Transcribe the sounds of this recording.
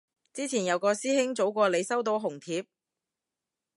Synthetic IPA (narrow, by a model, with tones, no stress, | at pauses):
t͡siː˥t͡sʰiː˨˩njɐ˨˧wkɔː˧siː˥hɪ˥ŋt͡so˨˥wkʷɔː˧le˨˧jsɐ˥wt̪̬o˨˧˥wɦʊ˨˩ŋt̪ʰiː˨˧p̚